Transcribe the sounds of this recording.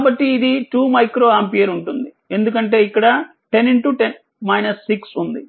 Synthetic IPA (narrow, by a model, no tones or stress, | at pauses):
kabɐʈːiːd̪iʈuːmɐjkɾo̞ːaːmpijɐɾuɳʈund̪i | e̞nd̪ukɐɳʈe̞ːikːɐɽɐ | ʈe̞niɳʈuʈen | mɐjnɐsːiksund̪i